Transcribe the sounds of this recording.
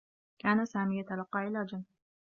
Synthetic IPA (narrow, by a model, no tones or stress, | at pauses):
kaːnasaːmɪjat̪alɑqːɑːʔɪlaːd͡ʒan